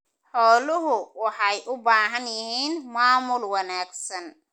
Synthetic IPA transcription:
ħɔːlʊɦʊwɑħɑjʔʊbaːɦɐnjɪɦiːnmaːmʊlwɐnaːɡsɐn

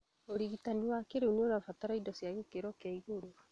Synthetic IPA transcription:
oɾiɣitaniwakeɾeunonafataɾaidɔsijaɣekeɾɔkaiɣoɾo

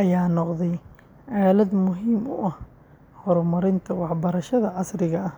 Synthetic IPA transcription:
ʔɐjaːnɔqðɛj | ʕɑːlɐd̪mʊɦiːmʊ̰ʔɐh | hɔɾmɐɾɪnt̪ʰɐwɑħbɐɾɐʃɐðɐʕɑsɾɪɣɐɐh

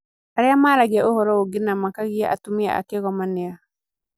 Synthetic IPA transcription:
aɾɪamaːɾaɣiaohɔɾɔoɡɪnamakaɣia̰ʔa̰tumia̰a̰keɣɔmanɪa

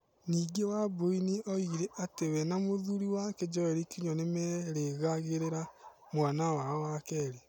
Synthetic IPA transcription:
niːɡewaboiniʔɔiɾeʔatewɛnamoðuɾiwaked͡ʒɔɛɾikiɲɔnemɛɾeɣaɣeɾeɾa | mwanawaɔwakɛɾe

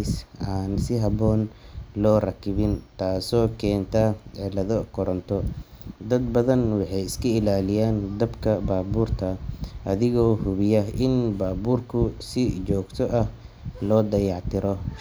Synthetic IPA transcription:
saːnsɪɦɐβɔːnlɔːrɐkʰɪβɪnt̪ʰaːsɔːkʰɛːnt̪ʰɐɛlɐðɔkʰɔɾɐnt̪ʰɔd̪ɐd̪bɐðɐnwɑħɑjɪskʰɐɪlaːlɪjaːnd̪ɐbkʰɐbaːbuːrt̪ʰɐʔɐðɪɣɔːhʊβɪjɐʔɪnbaːbuːrkʰʊsɪt͡ʃɔːɡt̪ʰɔʔɐh | lɔːd̪ɐjɑʕt̪ʰɪɾɔ

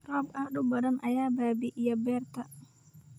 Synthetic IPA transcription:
rɔbahdubadanʔajababiʔjabɛrt̪a

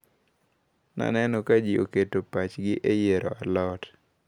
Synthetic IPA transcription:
na̰nɛnɔkad͡ʒioketopat͡ʃɡɪʔejeɾɔ̰alɔt

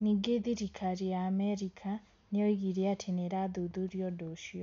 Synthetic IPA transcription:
niɡeðiɾikʰaɾijaːmɛɾikʰa | nejɔiɣiɾiatʰeneɾaðuðuɾjɔdoʃiɔ

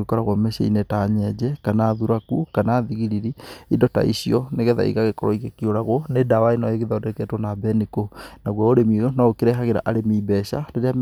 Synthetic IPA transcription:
ɣekɔɾaɣwamɛɕa̰ḭnetaɲɛd͡ʑɛkanaːðuɾakukanaːðiɣiɾiɾiidɔta̰ḭɕiɔneɣɛða̰ḭɣaɣekɔɾɔ̰iɣekioɾaɣonedawainɔeɣeðaodeekɛtwɔnabɛnikonaɣwaoɾemijonaokeɾɛɦaɣeɾa̰ʔaɾemibɛɕa̰ndeɾeam

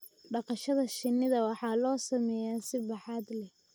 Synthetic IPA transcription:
ɖɑqɑʃɐðɐʃɪnːɪðɐwɑħɑːlɔːsɐmɛːjaːsɪbɑħɑːd̪lɛ

